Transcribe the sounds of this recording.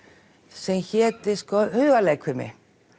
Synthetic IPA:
sɛmçɛːt̪ɪskɔhœːvaleːjkʰʏɾmɪ̰

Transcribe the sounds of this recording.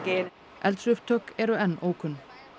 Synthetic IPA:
ɡen | ʔɛlt̪sʏft̪ʰœkɛɾʏɛnːoːwkʰʏnː

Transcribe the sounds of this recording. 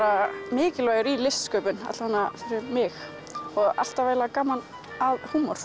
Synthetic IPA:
ɾamɪːcɪlvœːɣɪɾilɪst̪skœːpʏna̰t̪l̥vanafɪɾɪɾmɪx | ɔɣa̰l̥t̪avaːjlakaːmːan | aðhuːmɔɾ̥

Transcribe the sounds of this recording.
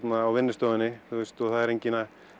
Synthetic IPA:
t̪naːwvɪnːɪst̪ɔːwðɪnːɪθust̪ɔθaðɛɾejɲcɪna

